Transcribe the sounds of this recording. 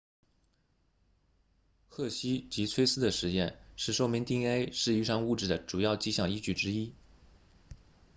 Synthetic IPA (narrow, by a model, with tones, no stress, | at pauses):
xʰɤ˥˩ɕi˥t͡ɕi˧˥t͡sʰwe˥ɪsɹ̩˥d̪ə˨ʂɻ̩˧˥jɛ˥˧nʂɻ̩˥˧ʂo˥˧ʊmi˧˥ŋt̪i˥˩ŋe˥ɪʂɻ̩˥˧i˥˧ʂɑ˥˧ŋu˥˧ʈ͡ʂɻ̩˥˩d̪ə˩ʈ͡ʂu˨˩jɑ˥˩ʊt͡ɕi˥ɕjɑ˥˩ŋi˥t͡ɕy˥˩ʈ͡ʂɻ̩˥i˥